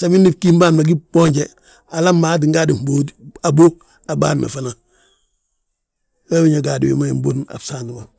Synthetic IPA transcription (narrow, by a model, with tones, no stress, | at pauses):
sa˨mi˦nːi˦ki˦mba˦mna˨ɡi˦b̥o˦ɲɟe˨ | a˨la˦mːa˨˦t̬i˨ŋɡa˦di˨m˨bo˦da˨bo˦ | a˨ba̰ː˦ɾnʔa̰˨fa˨na˨ | we˦wi˦ɲa˨ɡa˨dḭ˨wḭ˨ma˦ḭ˨m˦bo˦na̰˨bsaː˨ndi˨ma˨